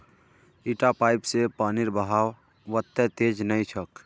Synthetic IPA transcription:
iːʈapaːɪpsepaːnɪɾbəɦaːw | ʋət̪ːɛt̪eːd͡ʒnəĩt͡ʃʰək

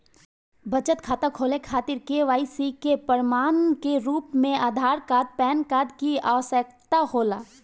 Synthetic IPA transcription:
bɐt͡ʃət̪kʰaːt̪akʰoːlekʰaːt̪ɪɾkeʋaːisikepəɾmaːnkeɾuːpmẽaːd̪ʱaːɾkaːd̪̚pɛːnkaːd̪kia̰ːʋəsək̚t̪ahoːlaː

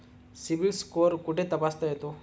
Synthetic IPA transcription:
sibilskoːɾkuʈet̪ɐpaːst̪ajet̪u

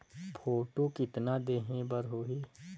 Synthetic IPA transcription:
pʰoːʈokɪt̪nad̪eːɦẽbəɾɦoːɦeː

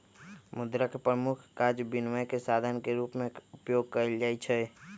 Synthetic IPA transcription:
mʊd̪ɾəkpɾəmʊkʰkad͡ʒbinʋəjkesad̪ʱənkeɾuːpmẽʊpjoːɡ̚kəɾld͡ʒaːɛt͡ʃʰɛ

